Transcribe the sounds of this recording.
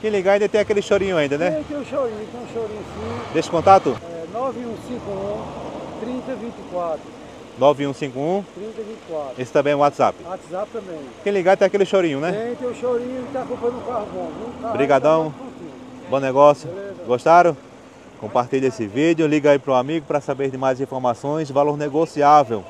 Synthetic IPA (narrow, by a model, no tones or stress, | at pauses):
kẽj̃liɡaaĩd̪ɐt̪ẽj̃akelɪʃoɾĩɲʊaĩnd̪ɐnɛ̃t̪ẽj̃ũʃoɾĩɲuĩt̪ẽj̃ũʃoɾĩɲʊsĩd̪eʃɪ̥kõnt̪at̪ʊɛnɔviũsĩkʊũt̪ɾĩnt̪ɐvĩnt̪ikwat̪ɾʊ | nɔviũsĩkʊũt̪ɾĩnt̪ɐvĩt̪ɪ̥kwat̪ɾesɪ̥t̪ɐ̃mbẽj̃ɛ̃ʊwat̪za̰pɪwat̪zap̚t̪ɐ̃mẽkẽj̃liɡat̪ɛ̃akelɪʃoɾĩɲʊ̃nɛẽt̪ẽj̃ũʃoɾĩɲʊt̪akupɐd̪ʊkahbõvũabɾiɡad̪ɐ̃w̃kõt̪ĩbõnɛɡɔsjʊezɡoʃt̪aɾõ | kõmpaɾt̪iʎɐesɪvid̪jʊliɡɐaipɾʊamiɡʊpɾɐsabeɾd̪ɪmajzĩfɔɾmasõj̃zvaloɾneɡosiavew